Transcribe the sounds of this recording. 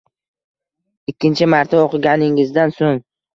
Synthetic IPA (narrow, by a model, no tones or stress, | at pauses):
ɪkʲːɪnt͡ʃʰɪmaɾt̪ʰaoqʰɨɡʲanɪŋɪzd̪ansoŋ